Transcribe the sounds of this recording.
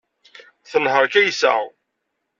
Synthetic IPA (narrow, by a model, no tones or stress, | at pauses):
θənhəɾˤkæjəsa̰